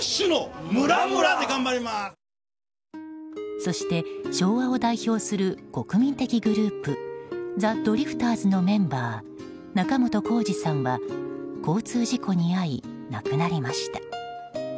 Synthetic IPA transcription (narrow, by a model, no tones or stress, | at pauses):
ɕɨnomɾaɯɾad̪eɡãmbaɾʲima | so̞ɕi̥t̪e̞ɕo̞ːβao̞d̪aiço̞ːsɨɾɯ̟ko̞kɯ̟mʲĩnt̪e̞kʲiɡɯ̟ɾɯːpɯ̟d͡zad̪o̞ɾʲiɸɯ̟̥t̪aːzɨno̞mẽ̞mbaː | nakamo̞t̪o̞ko̞ːʑisãɰ̃βako̞ːt͡sɨːʑikʰo̞ɲ̟iainakɯ̟naɾʲimaɕi̥t̪ḁ